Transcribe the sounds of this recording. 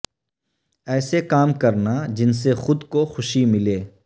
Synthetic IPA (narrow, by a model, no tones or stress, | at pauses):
ɛːsekaːmkɐɾnad͡ʒɪns̬exʊd̪koxʊʃimɪleː